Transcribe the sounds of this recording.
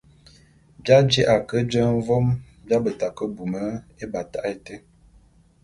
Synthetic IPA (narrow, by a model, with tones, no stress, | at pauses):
bja˦d͡ʒe˦ʔa˨kə˦d͡ʒə˦ɱ̩˦vɔ˦m | bja˦bə˨ta˨kə˦bu˨mə˦e˦ba˨ta˦ʔe˨te˦